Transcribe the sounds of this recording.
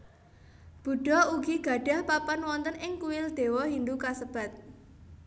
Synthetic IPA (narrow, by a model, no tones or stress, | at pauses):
b̥ṳɖ̥ɔ̤uɡiɡ̥ä̤ɖ̥ä̤hpapanwɔnt̪ənɪŋkuwɪld̪̥e̤wɔɦind̪ukasəb̥ä̤t̪̚